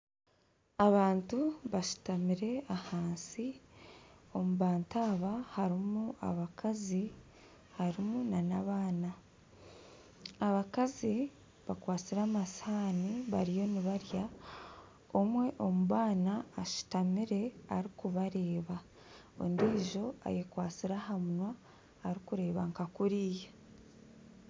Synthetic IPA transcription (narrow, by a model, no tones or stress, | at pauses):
aβaːntuβaʃu̥tamiɾe̞ahaːnsi | o̞muβaːntaːβahaɾimua̰βakʰazi | haɾimunanaβaːna | aβakazi | βakwaːt͡siɾaːmashaːniβaɾijo̞niβaɾja | omwe̞ʔo̞muβaːnaːʃu̥tamiɾe̞aɾikuβaɾe̞ːβa | o̰ndiːʒo̞a̰jekwaːt͡siɾahamunwaː | ɾikuɾe̞ːβaŋkakuɾiːje